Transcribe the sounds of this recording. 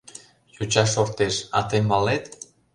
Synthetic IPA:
jut͡ɕɑʃort̪eʃɑ̰t̪emɑlet̪

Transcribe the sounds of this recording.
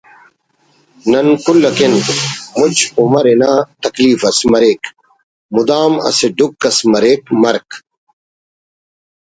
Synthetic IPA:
nɐnkulːɐkenmut͡ɕumɐɾenaːt̪ɐkliːfɐsmɐɾeːk | mud̪aːmɐ̰seɖukːɐsmɐɾeːkmɐɾk

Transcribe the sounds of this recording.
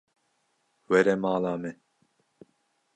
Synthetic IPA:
wɛɾɛmaːlaːmɛ

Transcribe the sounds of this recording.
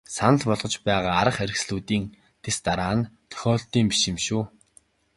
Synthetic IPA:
sanə̆ɮpɔɮʁɞ̆t͡ɕpæːʁaːaɾə̆χeɾʲɪ̆ksɮuːt̪iːŋ | t̪ʰest̪aɾaːnt̪ʰœ̥xʲɔːɮt̪iːmpi̥ʃɪ̆mʃuː

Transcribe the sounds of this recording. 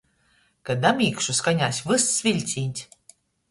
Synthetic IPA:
kad̪amʲiːkʃuskanʲaːsʲvɨssvʲilʲt̪sʲiːnʲt̪ʲ

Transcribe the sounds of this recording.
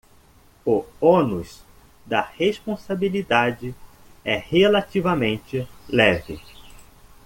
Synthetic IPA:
ʊonus | d̪ɐheʃpõsabilid̪ad͡ʒɪ | ɛhelat̪ivɐmẽnt͡ʃɪlɛvɪ̰

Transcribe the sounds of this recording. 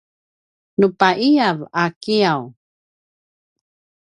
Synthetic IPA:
nupaʔiavakiaw

